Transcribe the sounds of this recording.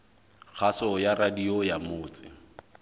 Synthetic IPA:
k͡xʰasɔjaɾadiɔjamʊːt͡sʼɪ̰

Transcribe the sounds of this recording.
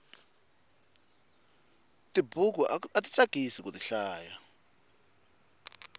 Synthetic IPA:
tʼibʱuk̬ɔatʼit͡sʼaɡ̥ʱisik̬ʼutiɬaːja

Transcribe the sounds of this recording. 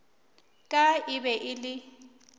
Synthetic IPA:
kʼaɪbɛʔɪlɪ

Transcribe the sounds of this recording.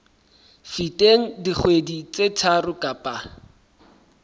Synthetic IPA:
fitʼeŋ̩diχʰwedit͡set͡sʰarʊkʼapʼa

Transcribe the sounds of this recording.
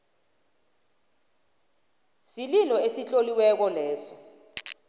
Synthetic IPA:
sililɔesit͡ɬʼoliwɛk̬ɔlɛːsɔ

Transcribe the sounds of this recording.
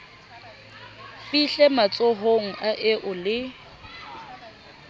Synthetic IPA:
fiɬɛmat͡sʼoɦoŋ̩ʔaʔɪʔʊlɪ

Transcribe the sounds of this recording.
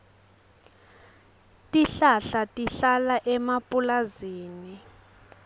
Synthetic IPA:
tʼiɬaɬatʼiɬalaʔɛmapʼulaziːni

